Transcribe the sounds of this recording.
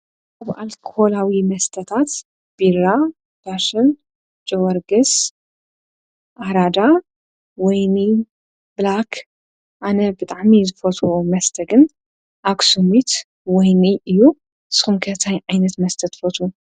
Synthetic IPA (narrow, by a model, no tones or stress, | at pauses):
ʔaβa̰lkʰolawimɐst̪ʰɐt̪ʰat̪ | b̥iɾa | b̥aʃɨn | d͡ʒʼowɐɾɡɨs | ʔaɾad̪a | wɔjni | blakʰ | ʔanɐbɨt̪ʼaʕmizɨfɐt̪ʰumɐst̪ʰɐɡɨn | ʔaksumit̪ | wɔjniʔɨjːu | sɨ̥xumkʰɐt̪ʰajʕajnɐt̪mɐst̪ʰɐt̪ːfot̪ʰu